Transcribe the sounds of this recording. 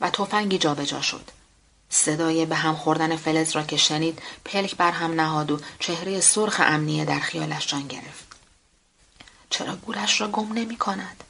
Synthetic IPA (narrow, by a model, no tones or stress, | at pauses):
væt̪ʰo̞fæŋɟiːd͡ʒɒːbe̞d͡ʒɒ̰ːʃo̞̰d̪̥ | se̞d̪ɒːjebeɦæmxo̞ɾd̪ænefe̞lezrɒːcʰe̞ʃe̞niːd̪̥pʰe̞lcʰbæɾɦæmnæɦɒːd̪ot͡ʃʰe̞hɾe̞je̞soɾxḛʔæmnijed̪æɾxijɒːlæʃd͡ʒɒːnɟe̞̰ɾe̞ft̪ | t͡ʃʰeɾɒ̰ːɡuːɾæʃrɒːɡo̞mne̞miːkʰo̞næd̪̥